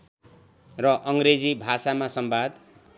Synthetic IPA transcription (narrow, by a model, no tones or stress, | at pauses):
rʌʔʌŋɡɾed͡zibʱasamasʌmbad̪